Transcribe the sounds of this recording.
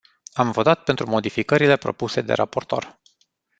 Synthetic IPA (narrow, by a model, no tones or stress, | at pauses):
amvo̞t̪at̪̚pe̞nt̪ɾumo̞d̪ifikəɾile̞pɾo̞̰puse̞d̪e̞̰ɾapo̞rt̪o̞̰r